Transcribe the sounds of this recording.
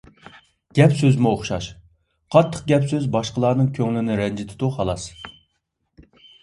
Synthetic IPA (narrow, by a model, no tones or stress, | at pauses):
ɡ̥ʲɛpsøzmuoχʃɑ̰ʃ | qʰɑt̪ʰːə̥q̚ɡʲɛpsøzbɑʃqəlˠɑːnɨŋkʲʰøŋlɪnɪɾɛnd͡ʒɪt̪ʰɪd̪uhɑlˠɑs